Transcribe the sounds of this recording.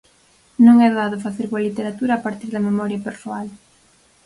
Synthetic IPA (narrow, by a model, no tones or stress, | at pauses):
nõŋɛðaðʊfaθeɾβoɐlit̪eɾat̪uɾaːpaɾt̪iɾðɐmemɔɾjɐpeɾsoal